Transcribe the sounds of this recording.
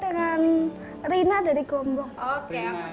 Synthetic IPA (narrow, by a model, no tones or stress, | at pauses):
dəŋan | rinada̤ɾiɡ̥ɔmbɔŋok